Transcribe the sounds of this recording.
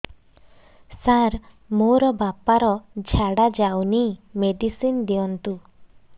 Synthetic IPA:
saɾ | moɾɔbapaɾɔd͡ʒʱaɽad͡ʒawnimeɖisind̪iɔnt̪u

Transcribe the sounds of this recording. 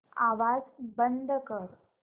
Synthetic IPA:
aʋad͡zbənd̪ʱəkəɾ

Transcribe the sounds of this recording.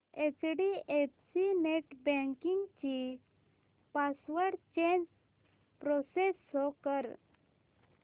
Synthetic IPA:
et͡sɖiepsineʈbɛ̃ŋkiŋɡt͡ɕi | pasʋəʈt͡ɕẽnd͡ʑ | pɾɔsesːɔkəɾ

